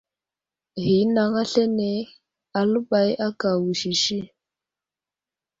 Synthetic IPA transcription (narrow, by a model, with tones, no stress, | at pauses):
ɣi˨˦na˨˦ŋa˦ɬɛ˦nɛ˨˦ | a˨lu˦ba˨˦jʔa˦ka˨wu˨ʃi˨ʃi˦